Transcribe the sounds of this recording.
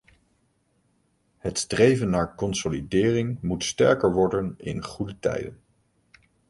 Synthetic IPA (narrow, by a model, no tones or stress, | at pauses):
hətstrejvənːaːɹkɔnsolidɪːrɪŋmutstɛ̰ɹkəɹʋɔɹdənɪ̰nχudətɛ̰jdə̰n